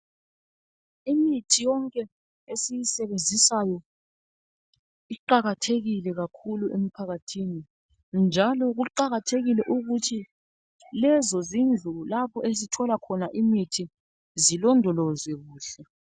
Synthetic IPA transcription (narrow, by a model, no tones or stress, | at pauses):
imitʰijɔŋkʼɛ | esijisɛβend͡zʱisajɔ | iǃaɣatʰeɣilɛɣakʰuluʔem̩pʰaɣatʰini | nd͡ʒʱalɔɣuǃaɣatʰeɣilɛʔuɣutʰi | lɛzɔzind͡ɮʱulapʰɔʔezitʰɔlakʰɔnaʔimitʰi | zilɔndʱɔlɔzwɛɣuːɬɛ